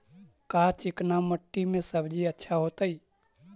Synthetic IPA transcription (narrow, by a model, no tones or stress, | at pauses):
kat͡ʃɪknaməʈːimẽsəbd͡ʒiətːʃʰaɦot̪əi